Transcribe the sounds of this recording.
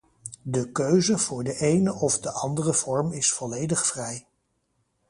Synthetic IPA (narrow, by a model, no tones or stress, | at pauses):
dəkøɥzəv̥ʊːɹdəʔejnəʔɔvdəʔɑndərəv̥ɔɹmɪsfɔlejdəχfrɛj